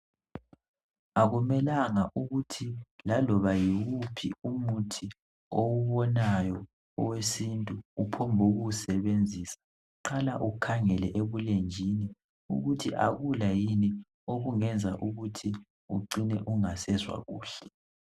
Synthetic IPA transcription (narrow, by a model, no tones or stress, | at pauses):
aɣumɛlaŋaʔuɣutʰilalɔβajiwupʰḭumutʰi | owuβɔnajɔ | ɔwesintʼuːpʰɔmbʱuɣusɛβend͡zʱisḁ | ǀalaʔukʰaŋɛlɛʔeβulend͡ʒʱini | ṵɣutʰiʔa̰ɣulajini | oɣuŋɛnd͡zʱa̰ʔuɣutʰi | uǃinɛ̰ʔuŋasɛzwa̰ɣuːɬɛ̥